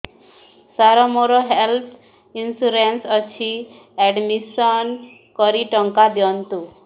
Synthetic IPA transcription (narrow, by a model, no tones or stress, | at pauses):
saɾɔmoɾɔɦelt̪ʰ | insuɾensɔt͡ʃʰi | ɛɖmisɔn | kɔɾiʈɔŋkad̪jɔnt̪u